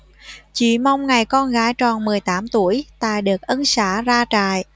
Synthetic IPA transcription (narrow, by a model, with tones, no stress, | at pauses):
t͡ɕḭ˧˩ma˧wŋ͡mŋa˨˩jkɔ˧nɣaː˨˦jt͡ɕɔ˨˩nmɨ˨˩əjt̪aː˨˦mt̪u˧˩əjt̪a̰ː˧˨jɗɨ˨˩ək̚ʔə˧nsaː˧˥zaː˧t͡ɕa̰ː˧˨j